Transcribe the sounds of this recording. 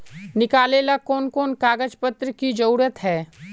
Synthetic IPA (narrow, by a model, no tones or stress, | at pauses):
nɪkaːlelakɔːnkɔːnkaːɡəd͡ʒpət̪ɾəkid͡ʒɐɾuːɾət̪ɦɛː